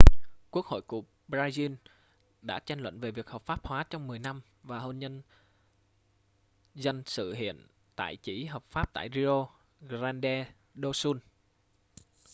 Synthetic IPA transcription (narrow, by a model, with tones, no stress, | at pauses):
ku˦˥ək̚ho̰˧˨jku˧˩ə | ɓɾaː˧zi˧n | ɗa̰ː˧˥t͡ɕa˧jŋlwə̰˧˨nve˨˩vi˨˩ək̚həː˨˩pfaː˦˥p̚hwaː˨˦t͡ɕɔ˧wŋ͡mmɨ˨˩əjna˧m | vaː˨˩ɦo˧nɲə˧n | zə˧jnsɨ̰˧˨hḭ˧˨ən | t̪a̰ː˧˨jt͡ɕi˧˥ɦəː˨˩p̚faː˦˥p̚t̪a̰ː˧˨jzi˧ʔo˧ | zaː˧nɗɛ˧ | ɗo˧su˧n